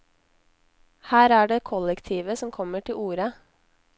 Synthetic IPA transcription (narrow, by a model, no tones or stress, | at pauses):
hæːɾæːɖeːkʰɔlɛkt̪ʰiːʋəsɔmkʰɔməʈʰɪluːɾə